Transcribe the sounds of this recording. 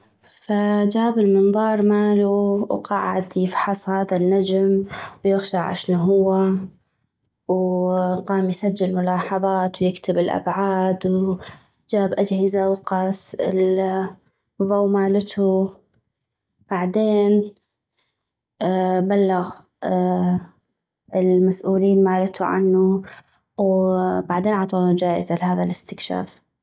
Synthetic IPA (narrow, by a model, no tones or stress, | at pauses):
fad͡ʒaːbɪlmɨnðˤɑːɾˤmaːluwqɑːʕɪ̰d̪jɪfħɑsˤhaːðanːad͡ʒmwjɪxʃaʕʕa̰ʃnuɦʊwːa | wqɑːmjsad͡ʒːɪlmʊlɑːħɑðˤɑːt̪wjɪkt̪ɪbɪlʔa̰bʕaːd̪w | d͡ʒaːbʔad͡ʒhɪzawqɑsɪ̰l | ðˤowmaːlɪt̪ʰu | b̥aʕd̪eːn | balːaɣ | ɪlmasʔuːliːnmaːlɪt̪ʰuʕa̰nːu | wbaʕd̪eːnʕɑt̪ˤɑlud͡ʒaːʔɪzalɪhaːðalɪst̪ɪkʃa̰ːf